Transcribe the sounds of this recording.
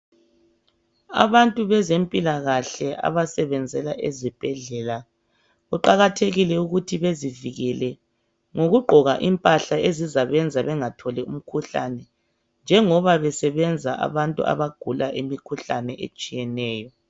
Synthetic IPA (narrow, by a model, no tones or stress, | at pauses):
a̰βantʼuβɛzempʼilaɣaɬɛʔa̰βasɛβɛnd͡zʱɛlaʔezib̥ʱɛɮɛla | ɣuǃaɣatʰeɣilɛuɣutʰiβeziviɣɛlɛ | ŋoɣuɡ͡ǃʱɔɣaʔimpʼaɬaezizaβɛnd͡zʱaβɛŋatʰɔlɛum̩kʰuɬa̰nɛ | nd͡ʒʱɛŋɔβaβɛsɛβɛnd͡zʱaʔa̰βantʼṵa̰βaɡ̥ʱulaʔemikʰuɬanɛʔḛt͡ʃʼijɛnɛːjɔ